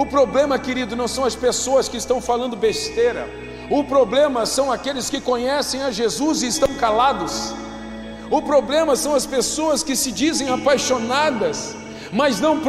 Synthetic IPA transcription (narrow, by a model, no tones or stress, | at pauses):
ʊpɾoblẽmɐkɪɾid̪ʊnɐ̃w̃sɐ̃w̃ɐspesoɐskɪɪst̪ɐ̃w̃falɐ̃nd̪ʊbest̪eɾɐ̰ | ʊpɾoblẽmɐsɐ̃w̃akelɪskɪkõɲɛsẽj̃ɐʒezuzɪɪst̪ɐ̃w̃kalad̪ʊs | ʊpɾoblẽmɐsɐ̃w̃ɐspesoɐskɪsɪd͡ʒizẽj̃apajʃonad̪ɐs | mɐznɐ̃w̃p